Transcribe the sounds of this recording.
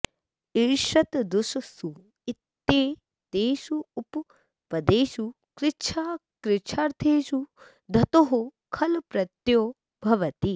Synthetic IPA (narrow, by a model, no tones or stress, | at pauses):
eɾʃɐt̪d̪uʃsu | ɪt̪ːeː | t̪eːʃuːp | pɐd̪eːʃu | kɾɪt͡ʃʃʰaː | kɾɪt͡ʃʰaɾt̪ʰeːʃu | d̪ʱɐt̪oɦu | kʰɐlpɾɐt̪joː | bʱɐʋɐt̪i